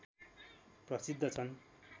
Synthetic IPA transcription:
prʌsid̪ʱːʌt͡sʰʌn

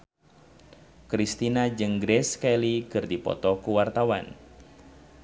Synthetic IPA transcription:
kɾist̪inad͡ʒɨŋɡɾɛskalikɨrdipɔ̰t̪ɔkuwart̪awan

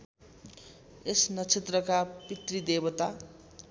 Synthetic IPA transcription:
esnʌt͡sʰet̪rʌkapit̪rid̪ebʌt̪a

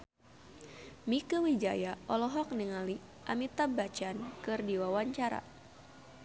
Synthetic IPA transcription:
mikəwid͡ʒa̰jaɔlɔɦɔk̚niŋali | ʔamit̪abat͡ʃankɨrdiwawaɲt͡ʃaɾa̰

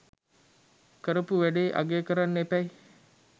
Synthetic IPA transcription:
kəɾəpuʋæɖeːʔa̰ɡeːkəɾanːepæj

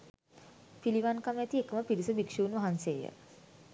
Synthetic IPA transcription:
piliʋankamjat̪iekəməpiɾisubikʂiunʋaɦansejə̰

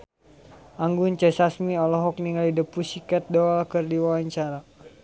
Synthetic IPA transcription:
ʔaŋɡunt͡ʃɛsasmiɔlɔɦɔk̚niŋalidəpusikɛt̪̚dɔalkərdiwawaɲt͡ʃaɾa

